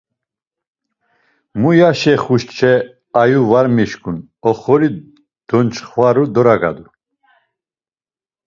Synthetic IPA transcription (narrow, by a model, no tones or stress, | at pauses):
mujaʃɛχuʃt͡ʃʰɛ | ajuvaɾmiʃkʰʼun | ɔχɔɾi | d̪̥ɔnt͡ʃχvaɾud̪ɔɾaɡa̰d̪u